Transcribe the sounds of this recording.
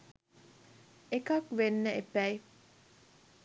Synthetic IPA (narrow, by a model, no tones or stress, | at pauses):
ekɐkʋenːəepæj